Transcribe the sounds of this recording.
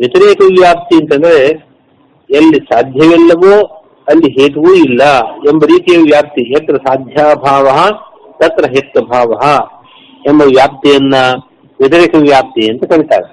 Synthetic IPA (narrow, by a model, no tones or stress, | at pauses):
ʋjɐt̪ɐɾeːkɐʋjaːp̚t̪iɐnt̪ɐnd̪ɐɾe | ɐlːisaːd̪ʱjɐʋɛlːɐʋoː | ɐlːiɦeːʈuʋuːilːɐembɐɾiːt̪ijɐʋjaːp̚t̪iet̪ɾɐsaːd̪ʱjaːbʱaːʋɐɦɐ | t̪ɐt̪ɾɐɦet̪ːɐbʱaːʋɐɦɐ | embɐʋjaːp̚t̪ijɐnːɐ | ʋjɐt̪̬ɐɾeːkɐʋʋjaːp̚t̪ijɐnt̪ɐkɐɽit̪a̰ːɾe